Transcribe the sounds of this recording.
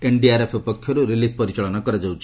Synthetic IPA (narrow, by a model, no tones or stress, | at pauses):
eɳɖiaɾepʰɔpɔkʰːjɔɾuɾilip̚ʰpɔɾit͡ʃaɭɔnakɔɾad͡ʒawt͡ʃʰ